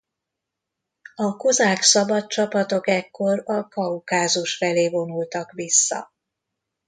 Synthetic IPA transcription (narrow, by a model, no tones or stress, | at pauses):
ɒkozaːksɒbɒtt͡ʃɒpɒt̪o̞kɛkːo̞rɒkɒukaːzuʃfɛleːvo̞nult̪ɒkʋisːɒ̰